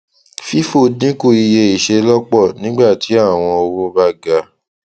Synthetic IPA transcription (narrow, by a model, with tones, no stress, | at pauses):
fi˦fo˦˨dĩ˦ku˦˨i˧je˧i˨ʃe˧lɔ˦k͡pɔ˦˨nĩ˨˦ɡ͡ba˦˨ti˨˦a˦˨w̃ɔ̃˧o˧wũ˦ba˦ɡa˧˦